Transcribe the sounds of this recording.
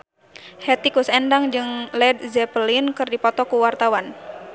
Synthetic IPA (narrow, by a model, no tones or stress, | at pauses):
hɛt̪ikusɛndaŋd͡ʒɨŋlɛd̚zɛpəlinkɨrdipɔt̪ɔkuwart̪awan